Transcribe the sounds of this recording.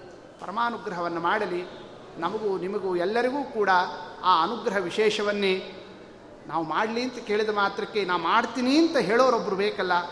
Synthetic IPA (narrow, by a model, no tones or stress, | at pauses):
pɐ̰ɾɐmaːnuɡɾɐɦɐʋɐnːɐmaːɽɐli | nɐmɐɡunimɐɡuɛlːɐɾiɡuːkuːɽɐaːɐnuɡɾɐɦɐʋiʃɛːʃɐʋɐnːe | naːʋumaːɽliɐnt̪ɐke̞ːɭid̪ɐmaːt̪ɾɐkːe̞naːʋumaːɽt̪iːniɐnt̪ɐɦeːɭoːɾobːɐɾubeːkɐlːɐ